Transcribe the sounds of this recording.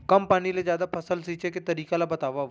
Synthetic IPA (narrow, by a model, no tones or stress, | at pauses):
kɐmpaːnilezjaːd̪apʰɐsəlsiːt͡ʃeket̪ɐɾiːkalabɐt̪aːʋa